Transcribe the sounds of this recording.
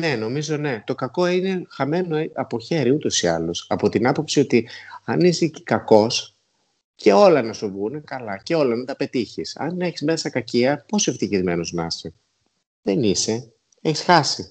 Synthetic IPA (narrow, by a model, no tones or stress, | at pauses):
ne̞no̞mizo̞ne̞t̪o̞kɐko̞ine̞xɐme̞no̞ɐpo̞çe̞ɾiut̪o̞siɐ̰losɐpo̞t̪inɐpo̞psio̞t̪iɐnisikɐko̞s | cʰe̞o̞lɐnɐsovunekɐlɐce̞o̞lɐnɐt̪ɐpe̞t̪içisɐ̰neçizme̞sɐkɐciɐposeft̪içizme̞noznɐ̰si | ðe̞nise̞ | e̞çisxɐsi